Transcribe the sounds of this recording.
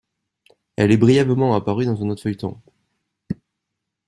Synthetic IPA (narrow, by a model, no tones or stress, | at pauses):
ɛ̰lɛbʁijɛbəmɑ̃apaʁyd̪ɑ̃zɛ̃not̪fœjt̪ɔ̰̃